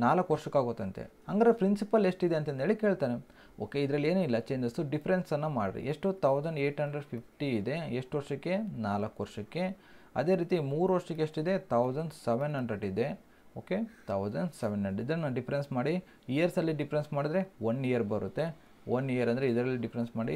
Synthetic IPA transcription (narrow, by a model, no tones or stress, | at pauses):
naːlɐkːʋɐɾʂɐkːaːɡot̪ːɐnt̪ḛhɐŋɡɐɾepɾinsipɐleʂʈid̪e̞ɐnt̪ɐnd̪eːɭike̞ːɭt̪aːne | o̰ːke̞id̪ɐɾɐlːeːnuilːɐt͡ʃeːɲd͡ʒɐsuɖipʰɐɾensɐnːɐmaːɽḭɾḭʔeʂʈut̪ʰɐwd͡ʒɐɳɖeːʈɦɐɳɖɾeɖpʰip̚ʰʈiːd̪e̞eʂʈʋɐɾʂɐkːe̞naːlɐkːʋɐɾʂɐkːe̞ | ɐ̰d̪e̞ːɾiːt̪imuːɾuʋɐɾʂɐk̬ːeeʂʈid̪e̞t̪ʰɐwzɐɳɖseʋenɦɐɳɖɾeɖid̪e̞ | oːket̪ʰɐwzɐɳɖseʋenɦɐɳɖid̪ɐnaɖipʰɐɾensmaːɽi | ijɐɾsɐlːiɖipʰɐɾensmaːɽid̪ɐɾe̞ʋonːijɐɾbɐɾut̪ːe̞ | onːijɐɾɐnd̪ɐɾeid̪ɐɾɐlːiɖipʰɾensmaːɽḭ